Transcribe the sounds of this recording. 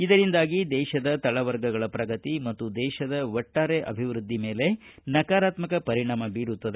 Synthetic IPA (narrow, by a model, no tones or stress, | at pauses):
id̪ɐɾind̪aːɡid̪ɛːʃɐd̪ɐt̪ɐɭɐʋɐɾɡɐɡɐɭɐpɾɐɡɐt̪imɐt̪ːud̪ɛːʃɐd̪ɐʋɔʈːaːɾeʔɐ̰bʱiʋɾud̪ʱːime̞ːle̞nɐkaːɾaːt̪mɐkɐpɐɾiɳaːmɐbiːɾut̪ːɐd̪e